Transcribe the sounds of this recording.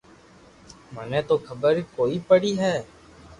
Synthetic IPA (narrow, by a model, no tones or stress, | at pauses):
mənẽːt̪oːkʰəbəɾkoːiːpəɽiːɦɛː